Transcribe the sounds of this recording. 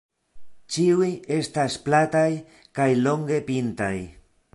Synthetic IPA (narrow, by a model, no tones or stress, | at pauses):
t͡ʃiuje̞stasplataj | kajlo̞ŋɡe̞pintaj